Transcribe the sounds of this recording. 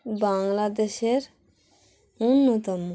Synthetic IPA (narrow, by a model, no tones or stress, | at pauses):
baŋlad̪eɕeɾ | unːut̪am